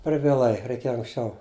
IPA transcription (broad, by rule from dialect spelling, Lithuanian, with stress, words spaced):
pʲɛr ʋʲiɛˈlˠɐɪ rʲɛɪˈkʲeːjɛ ɐŋksʲˈt͡ʃʲɛʊ